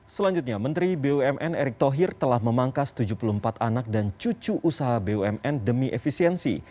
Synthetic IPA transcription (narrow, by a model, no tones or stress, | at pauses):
səlaɲd͡ʒut̪̚ɲamənt̪ɾibeoɛmʔɛneɾɪk̚t̪oɦirt̪əlahməmaŋkast̪ud͡ʒupuluəmpat̪anak̚dant͡ʃut͡ʃuʔusaɦabeoɛmɛndəmiʔefisiɛnsḭ